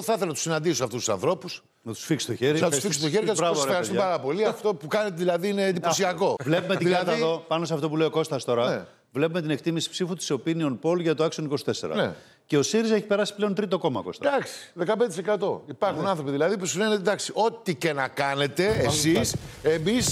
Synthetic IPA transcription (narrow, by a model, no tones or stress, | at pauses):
θɐθelɐnɐt̪usinɐnd̪isosɐft̪ust̪u̥sɐ̰nθɾo̞pus | nɐt̪u̥sfiksi̥st̪o̞çeɾinɐt̪ussfiksst̪oçeɾikeɐɾɐsvoeɣɐɾist̪umpɐɾɐpo̞liɐft̪o̞pukɐnet̪eðilɐðiinend̪iposiɐko̞vle̞pumet̪iɐðt̪ðopɐno̞seɐft̪o̞p̬ulejoko̞st̪ɐst̪o̞ɾɐe | vle̞pume̞t̪inek̚t̪imisi̥psifut̪u̥seopinio̞npo̞lʝɐt̪oɐksioniko̞si̥t̪e̞se̞̰ɾɐ̰nḛ | ce̞o̞siɾizɐeçi̥pe̞ɾɐsi̥pleo̞nt̪ɾit̪o̞ko̞mɐ̰ko̞̰st̪ɐd̪ɐksi̥ðekɐpnd̪et̪isekɐt̪o̞ipɐɾxunnɐnθɾo̞piðilɐðipusinenet̪ed̪ɐksiʔo̞t̪icenɐkɐne̞t̪e̞esisemis